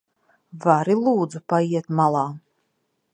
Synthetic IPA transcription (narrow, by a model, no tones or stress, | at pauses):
vaɾilˠuːd̪zupaiɛt̪malˠɑː